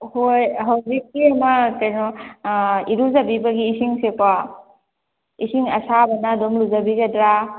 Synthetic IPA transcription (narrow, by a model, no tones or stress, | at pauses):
hojɦawzikːiɐmɐkɐjno | iɾuzɐbibɐɡiːsiŋsepa | isiŋɐsabɐnadomluzɐbiɡɐdɾa